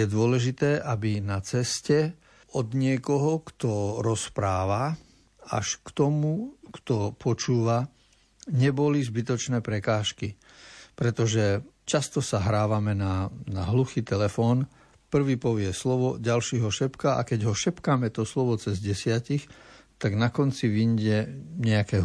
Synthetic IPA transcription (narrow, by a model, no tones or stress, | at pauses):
jɛd̪ʊɔlɛʒit̪ɛːʔabinat͡sɛscɛ | ɔd̪ɲɪɛkɔɦɔkt̪ɔɾɔspɾaːʋa | a̰ʃkt̪ɔmukt̪ɔpʰɔt͡ʃuːʋa | ɲɛbɔlizbit̪ɔt͡ʃnɛːpɾɛkaːʃki | pɾɛt̪ɔʒɛ | t͡ʃast̪ɔsaɦɾaːʋamɛnanaɦluxiːt̪ɛlɛfɔːn | pr̩ʋiːpɔʋɪɛslɔʋɔɟalʃiːɦɔʃɛpkaʔa̰kɛɟɦɔʃɛpkaːmɛt̪ɔslɔʋɔt͡sɛzɟɛsɪacixt̪aɡnakɔnt͡siʋiɲɟɛɲɛakɛːɦ